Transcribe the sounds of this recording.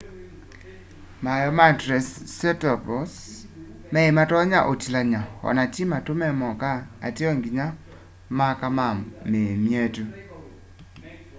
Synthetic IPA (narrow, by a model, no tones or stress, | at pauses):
majɔmatɾɛsːɛtɔpɾɔs | mɛematɔɲaʔotilaɲahɔ̰natimatʊmɛmɔka̰ːteɔŋɡiɲa | makamamemjetu